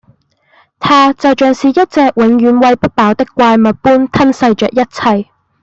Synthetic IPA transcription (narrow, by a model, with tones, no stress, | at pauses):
t̪ʰaː˥t͡sɐ˨wt͡ʃœː˨ŋsiː˨jɐ˥t̚t͡sɛː˨˧k̚wɪ˨˥ŋjyː˨˧nwɐ˧jpɐ˥t̚paː˨˥wt̪ɪ˥kʷaː˧jmɐ˨t̚puː˥nt̪ʰɐ˥nsɐ˧jt͡ʃœː˨k̚jɐ˥t̚t͡sʰɐ˨˧j